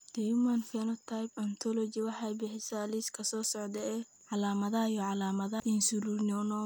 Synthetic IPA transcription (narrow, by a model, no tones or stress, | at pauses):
d̪̥ɛjumɐnfɛnɔt̪ʰajpɐnt̪ʰɔlɔt͡ʃɪwɑħɑjbɪħɪsaːliskʰɐsɔːsɔʕd̪ɛɛː | ʕɑlaːmɐðɐɐjɔʕɑlaːmɐðɐʔɪnsulurnɔnɔ